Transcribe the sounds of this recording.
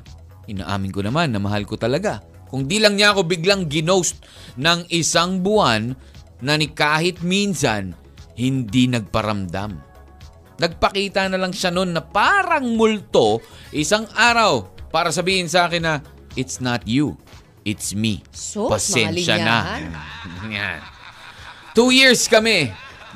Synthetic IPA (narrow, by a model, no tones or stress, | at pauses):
ʔɪna̰ːʔa̰ːmɪnkonɐmanːɐmɐɦalkot̪ɐlɐɡa | kʊŋd̪ilɐŋɲaʔɐko̞bɪɡlaŋɡɪnowst̪̚ | nɐŋʔɪsaŋbʊʔanː | ɐnɪkaːhɪt̪̚minsɐn | hɪnd̪inɐɡ̚pɐɾɐmd̪a̰m | nɐɡ̚pɐkiːt̪ɐnɐlɐŋʃano̞nːɐpaːɾɐŋmʊlt̪o̞ʔɪsaŋʔaːɾɐwpaːɾɐsɐbiːhɪnsɐʔaːkɪnːɐ | ʔɪt̪snɐt̪ju | ʔɪt̪smḭpɐsɛnʃɐnɐ | ja̰n | t̪ujiɹskɐmɛ